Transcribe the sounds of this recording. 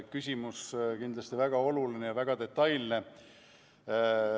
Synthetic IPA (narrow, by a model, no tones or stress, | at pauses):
kysʲimuskind̪lɑst̪ivæɡ̥ɑo̞lulinejɑvæɡ̥ɑd̪e̞t̪ːˑɑjlne